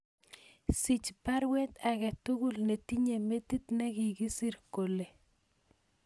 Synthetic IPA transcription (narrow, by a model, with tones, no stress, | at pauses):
si˨t͡ʃpa˦ɾwe˦t̪a˨ɣɛ˨tu˦ɣu˦lne˨ti˦ɲe˨me˦t̪i˦t̪nɛ˦ki˨ɡi˦si˦ɾko˨le˨